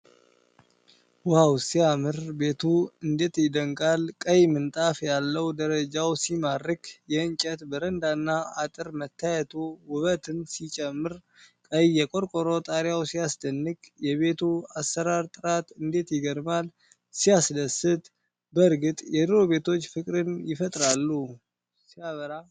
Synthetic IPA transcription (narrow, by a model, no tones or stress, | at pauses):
wawsijamɨɾbe̞t̪ʰuɨnd̪e̞t̪jɪd̪əŋkʼalkʼəjmɨnt̪ʼafjalːəwd̪əɾəd͡ʒawsimarːɨkjɛɨɲt͡ʃʼɛt̪bəɾənd̪anːaat̪ʼɨɾmət̪ːajɛt̪ʰowʊβət̪ʰɨnsit͡ʃʼɛmːɨɾ | kʼəjːɛkʼo̞ɾkʼoɾo̞t̪ʼaɾjawsijasd̪ənːɨkʼjɛβe̞t̪ʰuasːəɾaɾt̪ʼɨɾat̪ɨnd̪e̞t̪jɪɡəɾmal | sijasd̪əsɨt̪ʼ | bəɾɡɨt̪ʼjɛd̪ɨɾo̞βe̞t̪ʰo̞t͡ʃːfɨkʼɾɨnjɪfət̪ʼɾalːu | sijaβəɾa